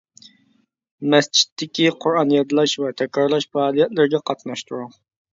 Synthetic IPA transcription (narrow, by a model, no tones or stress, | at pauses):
mɛst͡ʃʰi̥t̪ʰːɪkʲiqʰʊɾɑnijɑd̪lˠɑʃwɛt̪ʰɛkʲɾɑɾlˠɑʃfɛɑlˠijɛt̪lɪɾɡʲɛqʰɑt̪nɑʃt̪ʰuɾuŋ